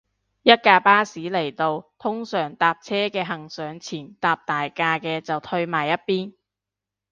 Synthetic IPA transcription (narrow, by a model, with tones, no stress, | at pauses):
jɐ˥t̚kaː˧paː˥siː˨˥le˨˩jt̪o˨˧wt̪ʰʊ˥ŋsœː˨˩ŋt̪aː˨p̚t͡sʰɛː˥kɛː˧ɦɐ˨˩ŋsœː˨˧ŋt͡sʰiː˨˩nt̪aː˨˧p̚t̪aː˨jkaː˧kɛː˧t͡sɐ˨˩wt̪ʰɵ˧ɥmaː˨˩jːɐ˥t̚piː˥n